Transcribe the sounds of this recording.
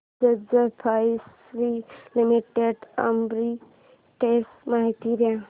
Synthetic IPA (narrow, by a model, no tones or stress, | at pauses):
əd͡ʒəpʰas | ɾilimiʈeɖə̰mbɾi | ʈesmaɦit̪iɾjã